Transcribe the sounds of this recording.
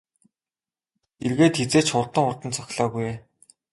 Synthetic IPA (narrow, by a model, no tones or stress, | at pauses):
erɣeːt̪xet͡seːt͡ɕχʊrt̪ə̆ŋʊrt̪ə̆nt͡sʰɔxʲɮɔːpujeː